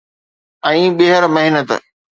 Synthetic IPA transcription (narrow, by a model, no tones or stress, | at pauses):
ɛ̃ːɓɪɦəɾmɐɦɪnət̪